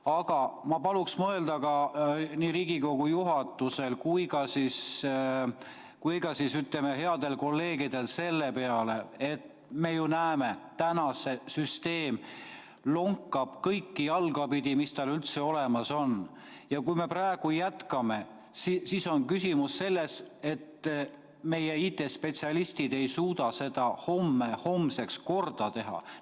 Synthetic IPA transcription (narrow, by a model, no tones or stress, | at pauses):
ɑɡ̥ɑmɑpɑluksmɤeld̪ɑɡɑniːɾiːɡiko̞ɡ̥ujuɦɑt̪ːˑuse̞lkujɡɑsis | kujɡɑsisyt̪lemeɦe̞ɑd̪̥e̞lko̞lːe̞ːɡid̪e̞lse̞lːe̞pe̞ɑle̞et̪ː | me̞junæeme̞t̪ænɑse̞syst̪e̞ːm | lo̞ŋkːˑɑb̥kɤjkːijɑlɡ̥ɑpid̪imist̪ɑlylt̪se̞o̞le̞mɑso̞n | jɑkujme̞prɑeɡ̥ujæt̪kɑme̞ | sisiso̞nkysʲimusːe̞lːe̞se̞t̪ | me̞jeiːt̪ːˑe̞spe̞t̪siɑlist̪id̪e̞jsuːd̪̥ɑse̞d̪ɑho̞mːeho̞mse̞ksko̞rd̪̥ɑt̪e̞ɦɑ̰